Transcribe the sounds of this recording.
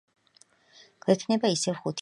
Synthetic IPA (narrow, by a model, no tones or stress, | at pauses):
ɡ̥wɛt̪ʰnɛbaisɛvχut̪ʰ